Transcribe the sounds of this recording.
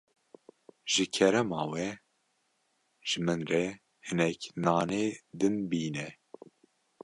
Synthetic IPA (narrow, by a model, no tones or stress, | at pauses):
ʒ̥ɨkʰɛɾɛmɑːwɛ | ʒ̥ɨmɨnrɛ | hɨnɛknɑːneːd̪ɨnbiːnɛ